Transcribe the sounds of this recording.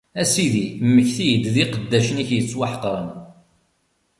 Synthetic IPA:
æsiðimːəçθijəd̪ðiqəd̪ːæʃəniçjət͡sːwaħə̥qɾˤən

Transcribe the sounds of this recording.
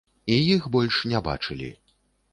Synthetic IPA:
ijixbɔlʲʂnʲɛba̰t͡ʂɨlʲḭ

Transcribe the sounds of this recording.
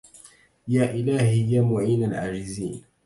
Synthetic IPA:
jaːʔɪlaːhɪjamʊʕiːnalʕa̰ːd͡ʒɪzḭːn

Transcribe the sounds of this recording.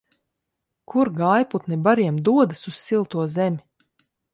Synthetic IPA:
kʰuɾɡaːjput̪nibaɾiɛmd̪uɔd̪asussilˠt̪uɔzɛmʲi

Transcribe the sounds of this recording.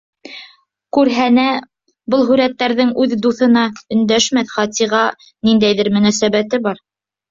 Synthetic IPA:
kʉɾɦænæ | bɤlˠɦʉɾæt̪ːæɾðɘŋʉðd̪uθɤ̆nɑɵ̆nd̪æʃmæθχɑt̪iʁɑ | nind̪æjðɘɾmɵ̆næsæβæt̪ɘbɑɾ

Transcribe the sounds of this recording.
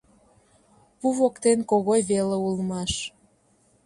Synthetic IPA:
puβokt̪enkoɣojβeleulmɑʃ

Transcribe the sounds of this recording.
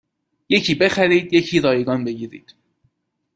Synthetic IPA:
je̞cʰiːbe̞xæɾiːd̪je̞cʰiːɾɒːjeɡɒːnbe̞ɡiːɾḭːd̪̥

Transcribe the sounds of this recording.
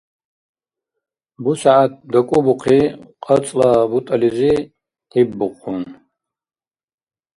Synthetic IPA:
busaʕat̪̚d̪akʷʼʊbuqʰiqʼɐt͡sʼlabut̪ʼalizi | tʰibːuqʰʼʊn

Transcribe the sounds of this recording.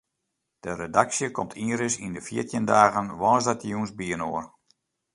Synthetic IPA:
d̥əredaksjəkɔmtʰiɾəsindəfjiətjəndaːɣənʋɔːzdatjunzbiənoər

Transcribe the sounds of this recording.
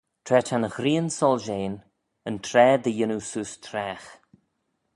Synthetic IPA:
t̪ʰɾɛːtʰanəxɾiːənsɔlʒeːn | ənt̪ʰɾɛːd̪əjɪnusuːst̪ʰɾɛːx

